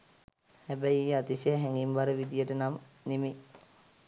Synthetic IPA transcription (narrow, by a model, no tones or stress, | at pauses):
hæbæjiːat̪isəəɦæŋɡimʋaɾəʋid̪ijəʈənamneme